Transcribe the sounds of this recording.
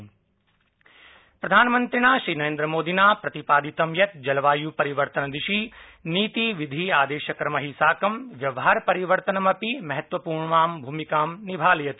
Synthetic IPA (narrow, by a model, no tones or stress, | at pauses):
pɾɐd̪ʱaːnmɐ̃nt̪ɾinaːʃɾiːnɐɾẽːnd̪ɾəmoːd̪inaːpɾɐt̪ipaːd̪it̪ɐmjɐt̪d͡ʒɐlʋaːjupɐɾiʋəɾt̪ɐnd̪ɪʃiniːt̪iʋid̪ʱiaːd̪eːʃɐkɾɐmɐɦisaːkɐmʋjɐʋɦaːɾpɐɾiʋəɾt̪ənɐmɐpimɐɦɐt̪ʋɐpuːɾɳʋaːmbʱuːmikaːmnibʱaːljɐt̪i̥